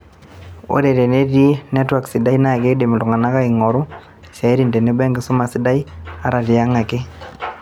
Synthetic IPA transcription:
o̰˦ɾe˨ɾe˨ne˦ɾie˦nɛ˦twa˨ksi˨da˦i˦na˦˨ke˦de˨mɪ˨tɔ˨ŋa˨na˦ka˦iŋɔ˨ɾu˦ | sa˨e˦ɾi˨ndɛ˨ne˦bɛ˦ŋɡɪ˦so˦ma˨si˦da˦i˦a˨ɾa˨ɾi˨a˦ŋa˨ke˦

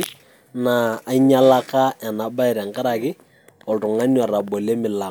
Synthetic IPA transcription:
naː˨˦i˦ɲa˦la˦ka˦a˨na˨ba˦ɛ˨ɾa˨ŋka˦ɾa˨kɪ˦ | ɔ˨ltʊ˨ŋa˦nwa˨ra˨bo˨le˦mɪ˨la˨

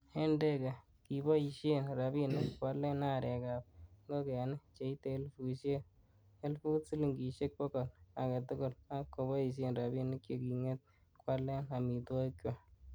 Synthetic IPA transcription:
he˦nde˦ka˨ | ki˨bɔ˦i˨ʃe˦nɾa˨bi˦nɪ˦kkwa˦le˦na˦˨ɾɛ˨ka˨p̚ŋɡo˦kɛ˨n˦t͡ʃe˨i˦te˨˦lfu˨ʃe˦ | e˦lfu˦tsi˦li˨ŋɡi˨ʃe˦k̚pɔ˦kɔ˨la˨ka˨tʊ˦ɡʊ˨la˦kːo˨bɔ˦i˨ʃ̬e˦nra˨bi˦nɪ˦kjo˨ki˨ŋe˦t̪̚ | kwa˦lːe˦na˨mi˨to˦kjo˦

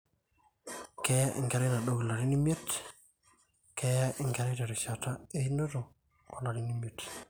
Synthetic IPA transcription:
kɛ˦ja˦ʔɪ̰˨ŋɡa˨ɾɪ˦na˨ɗo˦ɡla˨ɾi˦ni˦mje˦t | kɛ˨ja˦ʔɪ˨ŋɡa˨ɾɪ˦ta˨ɾi˨ʃa˨ta˦e˦i˦no˦to˨ | kɔ˨la˨ɾi˦ni˦mje˨t

